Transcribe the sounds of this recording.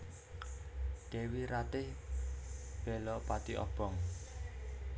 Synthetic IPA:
d̪̥ewiɾat̪ɪh | b̥ɛ̤lɔʔpat̪iʔɔ̰b̥ɔ̤ŋ

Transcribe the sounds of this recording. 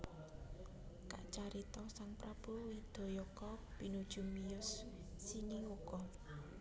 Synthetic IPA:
ka̰ʔt͡ʃaɾit̪ɔsaŋpɾab̥owid̪̥ɔ̤jɔkɔb̥i̤nud̥ʒ̥ṳmijʊsː | iniukɔ

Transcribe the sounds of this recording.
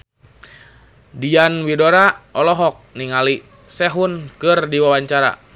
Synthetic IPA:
dianwidoɾaʔɔlɔɦɔk̚niŋali | sɛɦunkɨrdiwawaɲt͡ʃaɾa̰

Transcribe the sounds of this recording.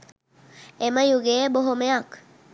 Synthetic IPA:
eməjuɡeːboɦomejak

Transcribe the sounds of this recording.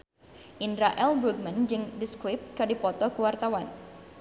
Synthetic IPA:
ʔindɾaʔɛlbɾuk̚mand͡ʒɨŋdiskwɪp̚t̪kadipɔt̪ɔkuwart̪awan

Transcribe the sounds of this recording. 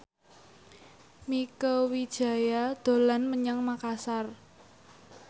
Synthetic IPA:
mikowid̥ʒ̥ä̤jad̪̥o̤lanməɲaŋmakasar

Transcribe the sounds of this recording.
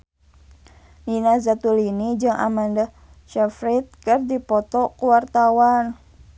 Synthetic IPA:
ninazat̪ulinid͡ʒɨŋʔa̰manda | ʃafɾit̪̚kɨrdipɔt̪ɔkuwart̪awan

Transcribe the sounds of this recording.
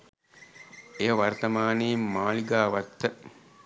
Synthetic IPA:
ejəʋɐrt̪ɐmaːneːmmaːliɡaːʋɐt̪ːə

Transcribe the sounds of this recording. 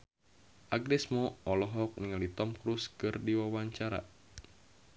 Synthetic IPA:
ʔaɡnɛsmɔɔlɔɦɔk̚niŋalit̪ɔmkɾuskɨrdiwawaɲt͡ʃaɾa̰

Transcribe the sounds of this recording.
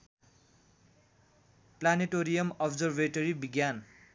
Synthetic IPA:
planiʈoɾijʌmʌbzʌrbeʈoɾibiɡjan

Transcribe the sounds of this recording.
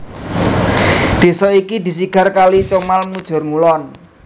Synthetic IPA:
d̪̥e̤sɔikid̪i̤siɡ̥a̤rkalit͡ʃomalmud̥ʒ̥ɔ̤rŋulɔn

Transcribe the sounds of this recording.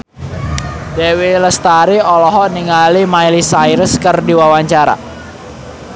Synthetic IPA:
deweləst̪aɾiɔlɔɦɔʔniŋalimajlisajɾəskərdiwawaɲt͡ʃaɾa̰

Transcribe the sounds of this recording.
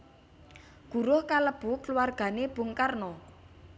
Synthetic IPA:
ɡ̥ṳɾʊhkaləb̥ukəluwarɡ̥a̤neb̥ʊ̤ŋkarnɔ

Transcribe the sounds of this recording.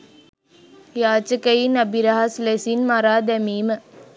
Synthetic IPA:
jaːt͡ʃɐkɐjinɐbiɾɐɦɐslesinmɐɾaːd̪ɐmiːmə

